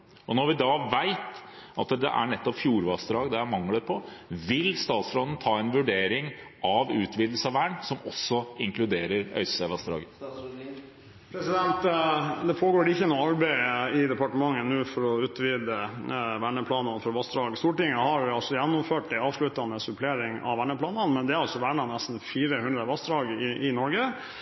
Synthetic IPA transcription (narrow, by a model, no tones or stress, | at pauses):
ɔnɔɾʋɪd̪ɑːʋæɪt̪ɑt̪d̪ɛ̰ʔæ̰ɳɛt̪ːɔpfjuːɾʋɑsd̪ɾɑːɡd̪ɛæmɑŋləɾpʰɔʋɪlst̪ɑːt̪sfɾɔd̪n̩t̪ʰɑːɛnʋʉɖeːɾɪŋʔɑʋʉːt̪ʰʋiːd̪l̩səɑʋæːɳsɔmɔsːɔɪŋklʉd̪eːɾəɾœ̰ʏssɛʋɑst̪ɾɑ̰ːɡə | pɾɛsɪd̪ɛnt̪d̪ɛpʰoːɡoːɖɛɪçːənuːɑɾbæɪɪd̪ɛpɑʈəmɑŋːənʉːfɔɾɔʉːt̪ʋiːd̪əʋæɳəpʰlɑːnɑnfɔɾʋɑsd̪ɾɑːɡst̪uːʈɪŋːəhɑɾʋɪɑlsɔjɛnːɔmføːʈd̪ɪɑːʋʂlʉt̪ɑnəsʉpʰleːɾɪŋɑ̰ʋæɳəpʰlɑːnɑnmɛnd̪ɛæɾɑlsɔʋæɳɑnɛst̪n̩fiːɾəhʉnd̪ɾəʋɑsd̪ɾɑːɡɪʔɪnɔɾɡə